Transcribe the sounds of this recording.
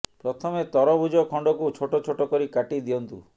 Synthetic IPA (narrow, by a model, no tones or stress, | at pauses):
pɾɔt̪ʰɔmet̪ɔɾɔbud͡ʒɔkʰɔɳɖɔkut͡ʃʰoʈot͡ʃʰoʈɔkɔɾikaʈid̪ijɔnt̪ṵ